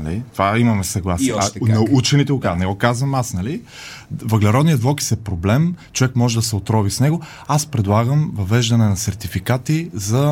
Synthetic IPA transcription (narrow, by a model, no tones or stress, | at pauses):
nɐlḭt̪ovaimɐmɛsɐɡlˠasnɐut͡ʃɛnit̪ɛʊkanɛɡɔkazvɐmasnɐli | vɐɡlɛɾɔd̪nijət̪vlˠɔki̥sɛpɾoblɛmt͡ʃovɛkmɔʒɛd̪ɐsɛot̪ɾɔvisnɛɡo | aspɾɛd̪lˠaɡəmvɐvɛʒd̪ɐnɛnɐsɛɾt̪ifikat̪izɐ